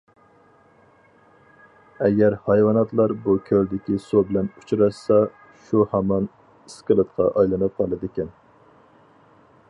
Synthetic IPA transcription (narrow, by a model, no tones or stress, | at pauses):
ɛɡʲɛɾhɑjwɑnɑt̪lˠɑɾbukʲʰøld̪ɪkʲisobɪlɛnut͡ʃʰuɾɑʃsɑ | ʃuhɑmɑn | iskʲɨlˠɨt̪qʰɑ̰ʔɑjlˠɨnɨp̚qʰɑlˠɨd̪ɪkʲɛn